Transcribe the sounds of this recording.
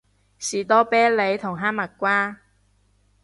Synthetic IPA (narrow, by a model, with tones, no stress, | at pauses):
siː˨˩t̪ɔː˥pɛː˥le˨˧jt̪ʰʊ˨˩ŋɦaː˥mɐ˨˩t̚kʷwaː˥